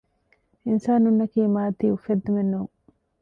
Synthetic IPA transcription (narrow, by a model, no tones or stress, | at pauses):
ʔɪnsaːnunːɐkiːmaːt̪iːufːed̪ːumenːuːŋ